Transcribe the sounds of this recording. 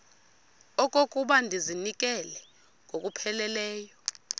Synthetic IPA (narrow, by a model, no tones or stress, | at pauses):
ɔkʼokʼuɓandʱizinik̬ʼɛlɛ | ŋʱok̬ʼupʰɛlɛlɛːjɔ